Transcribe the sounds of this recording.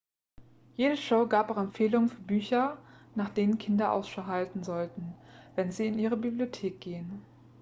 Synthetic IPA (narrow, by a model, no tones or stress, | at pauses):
jeːdəʃoʊɡaːpʔaʊɛmfeːlʊŋənfyːɐbyːçɐnaːχd̥eːnənkʰɪndɐʔa̰ʊsʃaʊɦaltn̩zɔltn̩vɛnziːɪnʔiːʁəbibliotʰeːk̚ɡ̥eːən